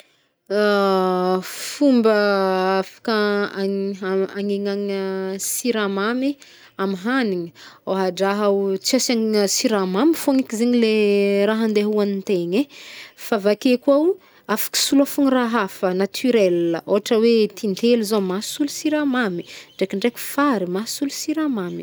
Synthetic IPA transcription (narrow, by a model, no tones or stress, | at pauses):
a | fumbəafḁkaa | aŋeŋaŋəsiɾamami | amiɦaniɲəaɦaɖ͡ʐaɦawt͡siasaŋsiɾamamifoŋikizeɲileɾaɦand̪eɦuanint̪eɲefavakekuaw | afḁki̥sulafuŋiraɦafənat̪ʰyɾɛlə̰ʔoɦaʈ͡ʂəwet̪int̪eluzamasulusiɾamami̥ɳɖ͡ʐekiɳɖ͡ʐeku̥faɾimasulusiɾamami̥